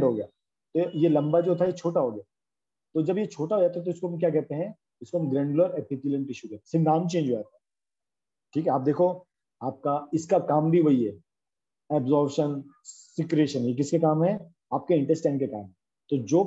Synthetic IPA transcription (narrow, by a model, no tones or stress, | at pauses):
ɖɦoːɡɪjaː | t̪ojelɐ̃mbad͡ʒoːt̪ʰajet͡ʃʰoːʈaɦoːɡɪjaː | t̪od͡ʒɐbjet͡ʃʰoːʈaɦoːɡjat̪ʰat̪̬oɪskoɦɐmk̬jaːkɛɦt̪eɦɛ̃ | ɪskoɦɐmɡɾɛ̃ːɳɖuləɾɛpitilə̃ɳʈɪʃukɛt̪esɪɡ̪aːmt͡ʃẽːnd͡ʒoaːt̪a | ʈʰiːkɦɛaːp̚d̪eːkʰo | aːp̚kaɪskakaːmbʱiʋoiɦɛː | ɛːbzɔːɾbʃən | sɪkɾeːʃənjek̬ɪskekaːmɦɛ̃ | aːp̚keɪ̃ɳʈəsʈɛ̃ːɳɖkeka̰ːmɦɛ̃ | t̪od͡ʒoː